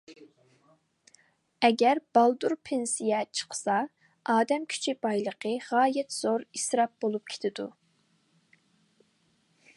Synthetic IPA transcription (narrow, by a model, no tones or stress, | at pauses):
ɛɡʲɛɾbɑlˠd̪uɾpʰensijɛt͡ʃʰə̥qʰsɑ | ɑːd̪ɛmkʲʰy̥t͡ʃʰib̥ɑjlˠəqʰəʁɑːjɛt̪z̥oɾisɾɑp̚b̥olˠup̚kʲʰe̥t̪ʰɪd̪u